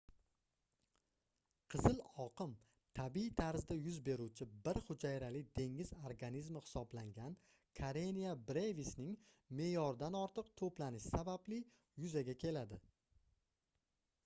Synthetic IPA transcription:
qʰɨzɪlɒqɨm | t̪ʰabit̪ʰaɾzd̪ajʊzbe̞ɾuwt͡ʃʰɪbɪɾχʊd͡ʒajɾalɪd̪̥e̞ŋɪzoɾɡanizmɪhɪ̥sɒblaŋɡʲan | kʰaɾenijabɾevisnɪŋ | me̞jɒɾd̪anɒɾt̪ʰɨq̚t̪ʰoplanɪʃɪ̥sabablɪ | jʊzaɡʲakʲʰe̞lad̪ɪ

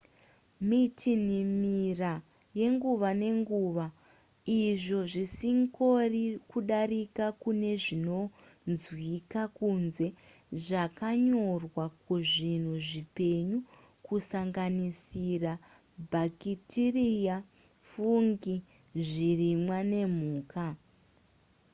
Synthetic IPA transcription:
mitʰinimira | je̞ŋɡuʋane̞ŋɡuːʋa | iʐo̞ʐisiŋko̞rikuɗarikakune̞ʐino̞nzwikakunze̞ | ʐakaɲo̞rwakuʐin̤uʐipe̞ɲu | kusaŋɡanisira | bʱakitirija | fuŋɡi | ʐirimwane̞m̤uːka

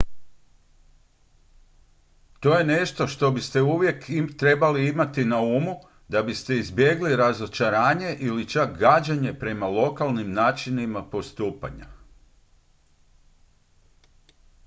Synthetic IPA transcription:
t̪o̞je̞ne̞ʃt̪o̞ʃt̪o̞bist̪e̞uʋje̞kt̪ɾe̞baliimat̪inaumu | d̪abist̪e̞izbje̞ɡliɾazo̞t͡ʃaɾaːɲe̞ʔilit͡ʃakɡad͡ʑaɲe̞pɾe̞malˠo̞kalˠnimnaːt͡ʃinimapo̞st̪uːpa̰ɲa

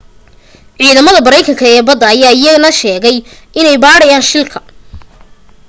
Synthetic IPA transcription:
ʕiːðɐmɐðɐbɐɾɛjkʰɐŋkʰɐɛːbɐd̪ːɐːjaːɪjɐɣnɐʃɛːɣɛjʔɪnɛjbaːɽɐjaːnʃɪlkʰɐ

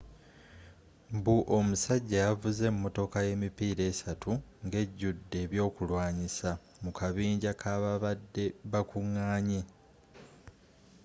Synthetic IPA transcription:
mbuʔo̞musaɟːajavuze̞mːo̞to̞kaje̞mipiːɾe̞ːsatuŋɡe̞ɟːudːe̞ːβjo̞ːkulwaːɲisa | mukʰaβiːɲɟakʰaːβaβadːe̞βakuŋːaːɲe

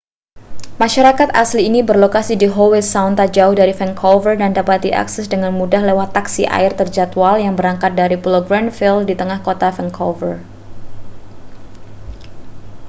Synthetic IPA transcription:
maʃaɾakat̪asliːnibərlokasidiɦowɪsaunt̪ad͡ʒaʊhdaɾifɛŋkʰovərdandapat̪̚diʔa̰ksɛsdəŋanmudahlewat̪ːaksḭʔa̰ɪrt̪ərd͡ʒat̪waljaŋbəɾaŋkat̪̚daɾipuloɡɾanfildit̪əŋahkot̪afɛŋkʰovər

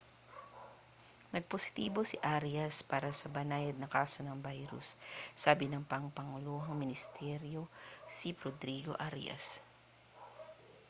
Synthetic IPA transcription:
nɐɡ̚posɪ̥t̪iːbo̞sɪʔaɾjɐspaːɾɐsɐbɐnaːjɐd̪̚nɐkaːso̞nɐŋbajɾʊ̰sːaːbɪnɐŋpɐŋpɐŋʊluːɦɐŋmɪnɪst̪ɛɾjo̞sipɾod̪ɾiɡo̞̰ʔaɾjɐ̰s

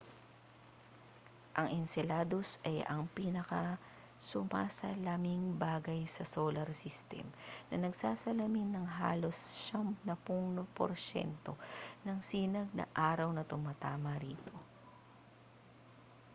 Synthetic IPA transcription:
ʔɐŋɪnsɛlaːd̪o̞sɐjɐŋpiːnɐkɐ | sʊmaːsɐlamɪŋbaːɡɐjsɐsoːlɐɾsɪst̪ɛ̰mnɐnɐɡsaːsɐlɐminːɐŋɦa̰ːlo̞sʃampnɐpuŋnopo̰ɾʃɛ̰nt̪o̞nɐŋsiːnɐɡ̚nɐ̰ʔaːɾɐwnɐt̪ʊmat̪aːmɐɾiːt̪o̞

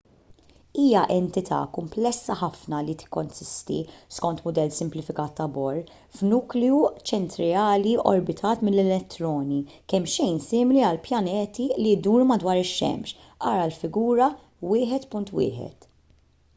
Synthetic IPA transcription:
iːjɐʔɛnt̪ɪt̪ʰɐ̰ːkʊmplɛsːɐħɐfnɐlit̪ɪ̥kːɔnsɪst̪ḭskɔnt̪mʊd̪ɛlːsɪmplɪfɪkɐːt̪ːɐbɔɾː | fnuːkliut͡ʃɛnt̪ɾɛɐːliɔ̰ɾbɪt̪ʰɐːt̪mɪlːɛlɛt̪ːɾɔːnikɛmːʃɛjnsɪːmɪliɐlpjɐnɛːt̪ilid̪uːɾmɐd̪wɐːɾɪʃːɛ̰mʃ | ʔɐːɾɐlfɪɡuːɾɐ | wɪːħɛt̪pʊnt̪wɪ̰ːħɛ̰t̪

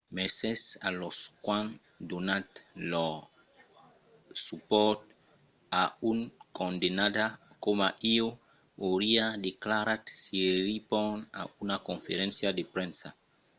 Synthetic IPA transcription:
mesesa̰loskwãn | d̪onat̪lɔ | supɔt̪ | auŋkond̪enad̪a | komaʔio | oɾiadeklaɾat̪siɾipona̰ʔunakõnfeɾɛ̃nsjadepɾɛ̃nsa

